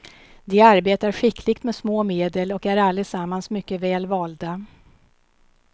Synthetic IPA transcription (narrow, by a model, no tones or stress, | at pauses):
d̪ɛaɾbeːt̪aɾɧɪkʰlɪɡt̪mɛsmoːmeːd̪əlɔkæɾalːəsamːansmʏkːəvɛːlvɑːld̪a